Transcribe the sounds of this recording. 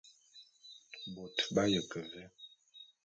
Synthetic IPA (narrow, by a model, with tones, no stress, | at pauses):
bo˨tba˦jə˨kə˨vɛ˦